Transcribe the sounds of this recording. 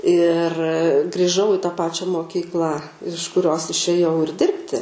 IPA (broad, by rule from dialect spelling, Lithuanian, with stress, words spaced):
ɪr ɡrʲɪˈʒɐʊ ɪ tɑː ˈpɑːt͡ʃʲɛ moːˈkʲiːklˠɑː ɪʃ kʊˈrʲoːs ɪʃʲeːˈjɛʊ ɪr ˈdʲɪrʲpʲtʲɪ